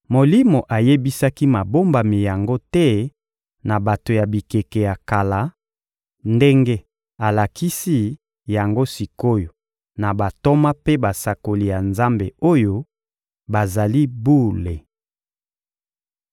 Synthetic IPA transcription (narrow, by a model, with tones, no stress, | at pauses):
mo˨li˦mo˨ʔa˨je˦bi˦sa˦ki˦ma˨bo˦mba˨mi˨ja˨ŋɡo˦tɛ˦ | na˨ba˨to˨ja˨bi˨ke˨ke˨ja˨ka˨la˨˦ | nde˦ŋɡe˦ | a˨la˨ki˦si˦ | ja˨ŋɡo˦si˨ko˦jo˨ | na˨ba˨to˦ma˦pe˦ba˨sa˨ko˨li˨ja˨nza˦mbe˨o˦jo˦ | ba˨za˨li˦bu˦le˨